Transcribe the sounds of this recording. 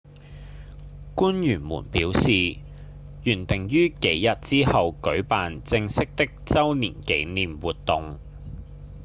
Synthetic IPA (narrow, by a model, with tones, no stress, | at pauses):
kuː˥njyː˨˩nmṵː˨˩npiː˨˥wsiː˨ | jyː˨˩nt̪ɪ˨ŋjyː˥ke˨˥jjɐ˨t̚t͡siː˥hɐ˨wkɵ˨˥ɥpaː˨nt͡sɪ˧ŋsɪ˥k̚t̪ɪ˥k̚t͡sɐ˥wniː˨˩nke˨˥jniː˨mwuː˨t̚t̪ʊ˨ŋ